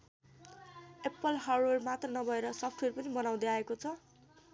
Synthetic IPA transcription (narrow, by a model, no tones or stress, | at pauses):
epːʌlɦarermat̪rʌnʌbʱʌeɾʌsʌpʰʈʰwerpʌnibʌnaw̃d̪eaekot͡sʰʌ